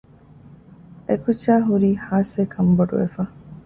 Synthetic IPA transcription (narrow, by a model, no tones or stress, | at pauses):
ekut͡ʃːaːɦuɾiːhaːseːkʰɐmboɖṵʋefɐ